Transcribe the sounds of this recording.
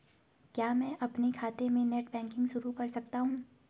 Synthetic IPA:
kjaːmɛ̃ːʔɐpnekʰaːt̪ẽmẽneːʈbɛ̃ːŋkɪ̃ŋɡʃʊɾukɐɾsɐkt̪aɦũː

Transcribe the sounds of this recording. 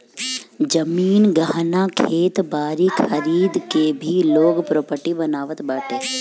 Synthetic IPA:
d͡ʒɐmiːnɡaɦnakʰeːt̪baːɾikʰəɾiːd̪kebʱiloːɡpɾoːpəɾʈibɐnaːʋət̪baːʈʰeː

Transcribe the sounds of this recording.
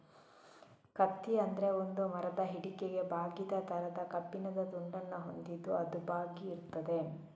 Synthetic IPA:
kɐt̪ːiɐnd̪ɐɾe̞ond̪umɐɾɐd̪ɐɦiɽikeɡe̞bʱaːɡit̪ɐt̪ʰɐɾɐd̪ɐkɐpːinɐd̪ɐt̪uɳɖɐnːɐɦo̞nd̪id̪ːuɐd̪ubaːɡiːɾut̪ːɐd̪e̞

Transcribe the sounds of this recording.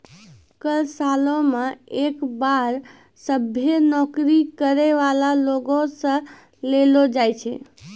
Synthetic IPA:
kəlsalõmeekbaɾ | səbʱjenɔkɾikəɾeʋalaloɡõsə̃ | lelod͡ʒajt͡ʃʰɛ̰

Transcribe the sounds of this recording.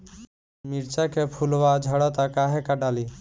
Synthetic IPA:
miɾt͡ʃakepʰulʋad͡ʒʱəɽɔt̪akaɦekaɖaːli

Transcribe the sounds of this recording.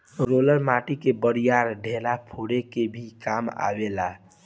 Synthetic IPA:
ɾoləɾmaʈikebəɾijaɾɖʱelapʰoɽekebʱikama̰bela

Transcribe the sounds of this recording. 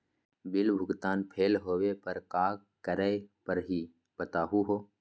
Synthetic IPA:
bɪlbʱʊɡt̪aːnpʰeːlɦoːwepəɾkaːk | kəɾəpəɾɦiː | b̥ət̪aːɦuɦoː

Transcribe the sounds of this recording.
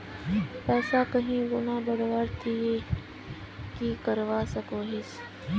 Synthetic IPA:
pɛːsakɐɦĩɡʊnabɐɽʋaɾt̪ʰie | kikɐɾʋasɐkoɦɪs

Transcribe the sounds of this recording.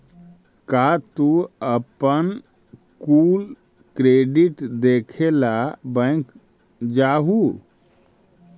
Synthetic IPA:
kat̪uəpən | kul | kɾeɖiʈd̪ekʰelabə̃ŋk | d͡ʒaɦu

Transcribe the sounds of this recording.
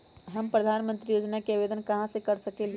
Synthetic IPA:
ɦəmpɾəd̪ʱanmənt̪ɾijod͡ʒnakebed̪ənkəɦãsə̃kəɾsəkel

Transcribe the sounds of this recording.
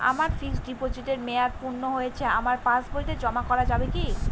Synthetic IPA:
a̰maɾfiksɖipod͡ʑiʈ̪eɾmeaɾpuɾnoɦojet͡ɕʰeamaɾpãsboɾit̪ed͡ʑɔmakɔɾad͡ʑabeki

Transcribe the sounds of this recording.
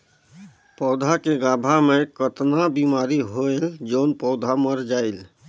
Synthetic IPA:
pɔʊd̪ʱakeɡabʱamekət̪nabimaɾiɦoeld͡ʒənpɔʊd̪ʱaməɾd͡ʒaɪl

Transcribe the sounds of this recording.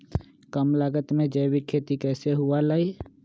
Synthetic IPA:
kəmlaːɡət̪mẽd͡ʒəːwikʰeːt̪ikɛːseɦʊalaːi

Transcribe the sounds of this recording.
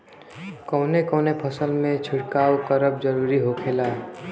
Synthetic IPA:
kɔːnekɔːnepʰəsəlmẽt͡ʃʰɪʈkaːwkəɾəb̚d͡ʒəɾuːɾiɦokʰeːlaː

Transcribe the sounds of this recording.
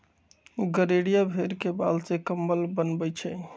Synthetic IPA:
ɡəɾeɽijabʱeɾkebalsekəmbəlbənbət͡ʃʰɛ

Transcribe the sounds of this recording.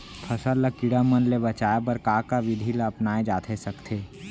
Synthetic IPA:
p̪ʰɐsaləkɪɽamənlebɐt͡ʃaːjpəɾkaːkaʋɪd̪ʱilaɐpnaːed͡ʒaːt̪ʰesɐkt̪ʰeː

